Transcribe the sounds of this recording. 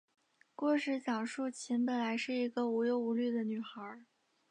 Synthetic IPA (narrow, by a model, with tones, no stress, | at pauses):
kwɔ˥˧ʂɻ̩˧˥t͡ɕjɑ˨˩ŋʂu˥˩t͡ɕʰi˧˥nd̪ə˨˩la˧˥ɪʂɻ̩˥˩i˧˥ɡə˧u˧˥jo˧˥ʊu˧˥ly˥˩d̪ə˨ny˨˩xə˧˥